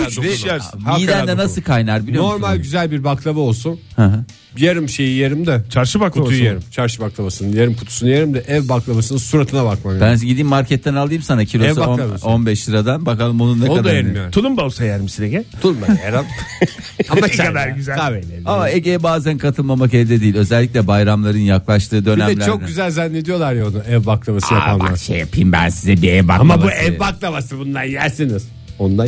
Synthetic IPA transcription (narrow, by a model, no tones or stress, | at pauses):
yt͡ʃʃjaɾmaijd̪ænd̪ɛnasɯkʰajnaɾbilʲjnooɾmalʲɟyzælʲbiɾbaklˠamaolˠsunhaɦã | jaɾɯmʃejijeɾimd̪ɛt͡ʃʰaɾʃɯbaklajɾimt͡ʃʰaɾʃɯbaklˠamasɯnɯjaɾimkʰu̥t̪ʰu̥sunujeɾimd̪ɛʔɛvbaklˠamasɯnɯsuɾat̪ʰɯnabakmabænd͡ʒɛɟid̪iːmːaɾcʰɛt̪ːɛnalˠɯjɯmsanacʰilʲoɛsbaonˠmsonbɛʃlˠiɾad̪anbakalˠɯmonunːaoad̪d̪aaɾtʰulˠumbalˠsajaɾɯmsineɟʲɛt̪ʰuumbaaɾa | amakad̪aɾɟyzæaveleamaeɟejɛbaːzænkʰat̪ʰɯlˠmamakɛvd̪ɛd̪iːilʲø̞zɛlʲːicʲlʲɛbajɾamlˠaɾɯnjaklˠaʃt̪ʰɯːd̪ø̞niɛɛlʲt͡ʃt͡ʃok̪ɟyzælʲzanːed̪ijo̞lˠaɾjaonuɛvbaklˠaβaɯjaama̰aʃḛjapʰɯjmbæ̰nsizɛbiɛvba̰kamauɛvbaklˠaβasɯbund̪anjælʲsiniz̥ | ond̪a